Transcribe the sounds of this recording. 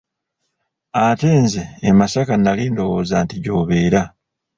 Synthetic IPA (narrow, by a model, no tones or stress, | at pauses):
ateːnzeːmasakanːaliːndo̞woːzaːntiɟo̞ːβe̞ːɾa